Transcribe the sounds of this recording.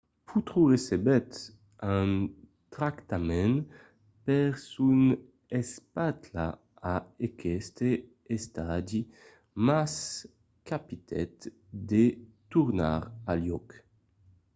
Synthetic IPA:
pʰut̪ɾuʁesebɛt̪ | ãn | t̪ɾakt̪amɛn | pɛʁsun | espat̪la̰ | aekʰɛst̪e | est̪ad̪i | mas | kapit̪ʰɛ̰t̪ | d̪et̪uʁna̰ʁaljɔk

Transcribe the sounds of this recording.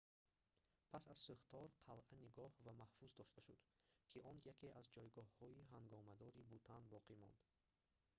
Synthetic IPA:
pʰasazsuχt̪ʰɔɾqʰalʔaniɡɔhvamahfuzd̪ɔʃt̪aʃud̪̥kʰiʔɔnjakʰeʔazd͡ʒɔjɡɔhːɔiɦaŋɡɔmad̪ɔɾibut̪ʰanbɔqʰimɔ̰nd̪̥

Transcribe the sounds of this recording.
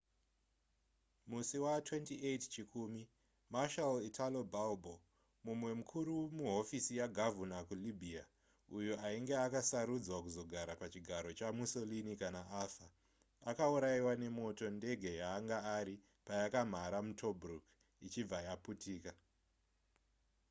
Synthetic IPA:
musiwatwe̞ntiett͡ʃikumi | maʃalitʰalobalbo | mumwe̞mukʰuɾumuɦo̞fisijaɡʱavunakulibʱia | ujoʔaiŋɡe̞akasaɾud͡zwakuzo̞ɡʱaɾapat͡ʃiɡʱaɾo̞t͡ʃamuso̞linikanaʔafa | akauɾaiwane̞mo̞to̞nde̞ɡʱe̞jaːŋɡaaɾi | pajakam̤aɾamutʰo̞bruk | it͡ʃib͡vajaputiːka

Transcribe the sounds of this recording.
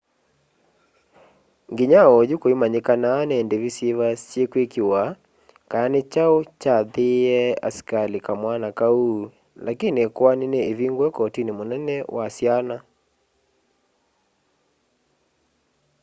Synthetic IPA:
ŋɡiɲaɔd͡ʒukoimaɲikananɛndevisevast͡ʃekwekiwa | kajanet͡ʃaot͡ʃaðeɛa̰skalikamwanakauː | lakinekwanineːviŋɡwɛkɔtinimonɛnɛwʔasiana

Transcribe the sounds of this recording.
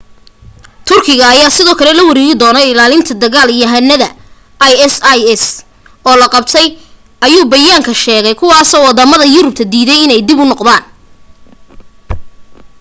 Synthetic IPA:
t̪ʰʊrkʰɪɣɐːjaːsɪðɔːkʰɐlɛlɐwɐɾɛːɣɪd̪ɔːnɐɪlaːlɪnt̪ʰɐd̪ɐɣaːlijɐɦɐnːɐðɐ | ʔjɛsjɛs | ɔːlɐqɑb̚t̪ʰɛj | ʔɐjuːbɐjaːŋkʰɐʃɛːɣɛjkʰʊwɑːsɔːwɑd̪ɐmɐðɐjʊɾʊb̚t̪ʰɐd̪iːðɛjɪnɛjd̪ɪbʊnɔqd̪aːn

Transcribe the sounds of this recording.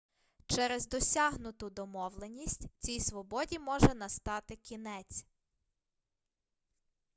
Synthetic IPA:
t͡ʃɛɾɛzd̪ɔsʲɑɦnʊt̪ʊd̪ɔmɔwlˠenʲisʲtʲt͡sʲijsʋɔbɔdʲimɔʒɛnɐst̪ɑt̪ɪkʲinɛt͡sʲ

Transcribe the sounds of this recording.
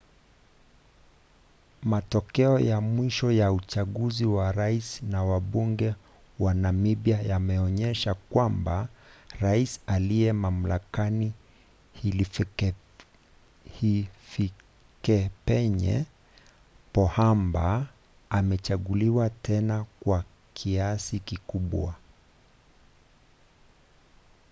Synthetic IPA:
matɔkɛɔjamwiʃɔjaut͡ʃaɠuziwaɾaisnawaɓuŋɡɛ | wanamiɓjajamɛɔɲɛʃakwambaɾaisalijɛmam̩lakani | hili | hifi | kɛpɛɲɛ̰ | pɔhamba | amɛt͡ʃaɠuliwatɛnakwa | kʰiasikikuɓwa̰

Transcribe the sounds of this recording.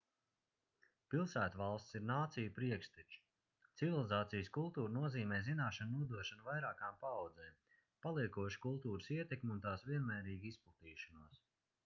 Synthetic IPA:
pilˠsæːt̪valˠst̪siɾnaːt̪sijupɾiɛkst̪it͡ʃ | t̪sivilˠizaːt̪sijəskulˠt̪uːɾnuɔziːmɛːzinaːʃannuɔd̪uɔʃanuvajɾaːkaːmpaːwd̪zɛːm | palˠiɛkuɔʃkulˠt̪uːɾəsiɛt̪ekmʲunt̪aːsvʲiɛnmɛːɾiːɡisplˠat̪iːʃanuɔs

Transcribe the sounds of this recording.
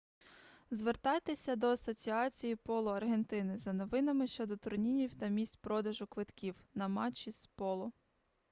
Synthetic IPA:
zʋert̪ɑjt̪esʲɐd̪ɔɐsɔt͡sʲiɑt͡sʲijipɔlˠɔɐrɦe̞nt̪ɪnɪzɐnɔʋɪnɐmɪʃt͡ʃɔd̪ɔt̪ʊrnʲinʲiwt̪ɐmʲisʲtʲpɾɔd̪ɐʒʊkʋɪt̪kʲiwnɐmɑt͡ʃːispɔlˠɔ

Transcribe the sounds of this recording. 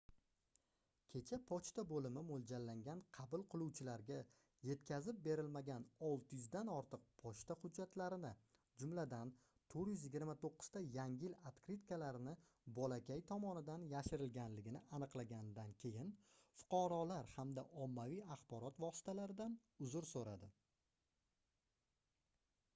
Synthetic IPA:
kʲʰe̞t͡ʃʰapʰɒt͡ʃt̪abolɪmɪmolˠd͡ʒalːaŋɡʲanqʰɑbʊlˠqʰɨlˠuwt͡ʃʰɪlaɾɡʲa | je̞t̪kʲʰazɪp̚be̞ɾɪlmaɡʲanɒlˠt̪ʰɪjʊzd̪anɒɾt̪ɨq̚pʰɒt͡ʃt̪aχʊd͡ʒːat̪laɾɪnɪ | d͡ʒʊmlad̪an | t̪ʰoɾjʏzjɪɡʲɪɾmat̪oqːʊ̥z̥t̪ajaŋʲɪlat̪kɾit̪kalaɾɪnɪ | bɒlakʲajt̪ʰɒmɒnɪd̪anjaʃɪɾɪlɡʲanlɪɡʲɪnɪanɨqlˠaɡʲand̪ankʲʰe̞jɪnfʊ̥qʰɒɾɒlaɾhamd̪aʔɒmːavijaχbɒɾɒt̪vɒsɪ̥t̪ʰalaɾɪd̪an | ʊzʊɾsoɾad̪ɪ

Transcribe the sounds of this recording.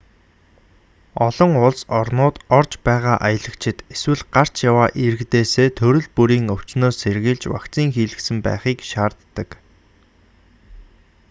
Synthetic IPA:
ɔɮɞ̆ŋʊɮsɔrnʊːt̪ɔrt͡ɕpæːʁaːʔajə̆ɮə̆kt͡ɕʰɪ̆t̪eswɘ̆ɮɢar̥t͡ɕjawaːʔiɾɘ̆ɣt̪eːseːt̪ʰɵɾɵ̆ɮpuɾiːŋɵw̥t͡ɕnoːsːerɣiːɮt͡ɕwa̰kt͡siːŋxiːɮɘ̆ksɘ̆mpæ̰ːχiːkʃaːrt̪ːə̆k

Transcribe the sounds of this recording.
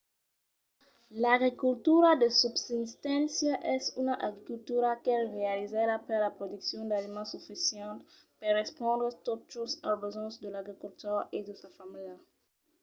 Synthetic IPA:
laɡɾikult̪uɾad̪əsubsist̪ɛ̃nsjaʔɛsunaʔaɡɾikult̪uɾakɛlʁealizad̪apeɾlapɾod̪uksjɔ̃nd̪alimãsufisjɛ̃nt̪ | perespɔ̃nd̪ɾet̪ot͡ʃosalbezɔ̃sd̪əlaɡɾikult̪ɔʁed̪əsafamila

